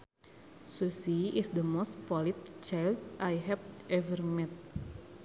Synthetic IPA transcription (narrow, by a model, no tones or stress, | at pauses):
susiisd̪əmost̪̚pɔlit̪̚t͡ʃajldajɦɛvʔɛvərmɛt̪̚